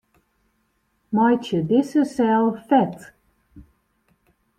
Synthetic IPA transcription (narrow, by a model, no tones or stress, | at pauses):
majtədɪsəsɛlˠfɛt